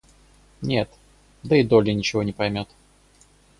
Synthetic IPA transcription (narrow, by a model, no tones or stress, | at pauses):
nʲe̞t̪ | d̪əɪd̪olʲənʲɪt͡ɕɪvonʲɪpɐjmʲo̞t̪